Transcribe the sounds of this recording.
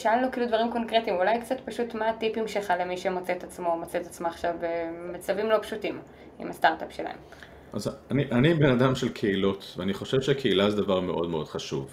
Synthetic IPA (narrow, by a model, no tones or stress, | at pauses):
ʃaallokiːlud̪vaʁimko̞nkʁetimulajkt͡sat̪paʃutmaːtipimʃelχale̞miʃemo̞t͡seet̪at͡smomot͡seet̪at͡smoaχʃavemat͡savimlo̞pʃutim | ḭmast̪aʁt̪apʃe̞la̰e̞̰m | ʔazaniʔanibenadamʃelkʰeilo̞t̪veaniχo̞ʃev̥ʃeakʰeilazedavaʁmeʔo̞dmeo̞d̥χaʃṵv